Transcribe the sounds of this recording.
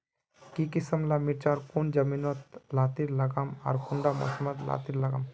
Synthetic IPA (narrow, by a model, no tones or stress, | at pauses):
kikisəmlamiɾt͡ʃaːɾkund͡ʒɐminot̪laːt̪iɾlɐɡama̰ɾkuɳɖamɔ̰səməd̪la̰ːt̪iɾlɐɡam